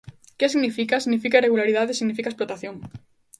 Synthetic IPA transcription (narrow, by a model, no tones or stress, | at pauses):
kesiɣnifikasiɣnifikaireɣulaɾiðaðesiɣnifikaesplot̪aθjoŋ